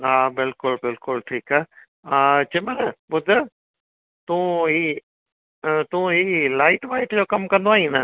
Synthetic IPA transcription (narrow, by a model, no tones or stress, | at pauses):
aːbɪlkʊlbɪlkʊlʈʰiːkaːɦ | t͡ɕeməɾbʊd̪ʱ | t̪ũːɦiː | t̪ũːɦiːlaːɪʈʋaːɪʈd͡ʑoːkɐmkɐ̃nd̪oaːɦĩːnə